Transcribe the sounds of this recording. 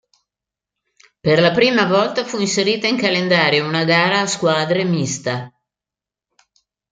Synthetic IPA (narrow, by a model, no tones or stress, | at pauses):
perlapɾiːmavɔlt̪afuinseɾiːt̪aiŋkalend̪aːɾjounaɡaːɾaːskwaːd̪ɾemist̪a